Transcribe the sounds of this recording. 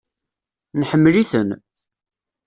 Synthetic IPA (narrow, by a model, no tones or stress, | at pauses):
nħəmːliθən